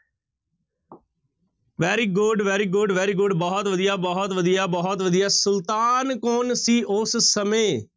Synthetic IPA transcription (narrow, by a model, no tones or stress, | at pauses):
ʋɛːɾiːɡʊɖʋɛːɾiːɡʊɖʋɛːɾiːɡʊɖbɔːɦt̪ʋəd̪ijaːbɔɦt̪ʋəd̪ijaːbɔːɦɔt̪ʋəd̪ijaːsʊlt̪aːnkoːnsiːʔʊssəmẽː